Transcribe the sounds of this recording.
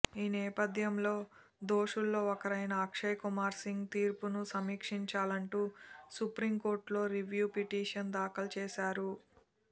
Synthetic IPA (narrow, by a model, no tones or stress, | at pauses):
iːnɛːpɐd̪ʱjɐmlo̞ː | d̪o̞ːʂulːo̞ːɔkɐɾɐjnɐːkʂɐjkumaːɾsiŋɡt̪iːɾpunusɐmiːkʂiɲt͡ʃaːlɐɳʈuːsupɾimko̞ːɾʈlo̞ːɾiʋjuːpiʈiːʂɐnd̪aːkɐlɐt͡ʃeːʃaːɾu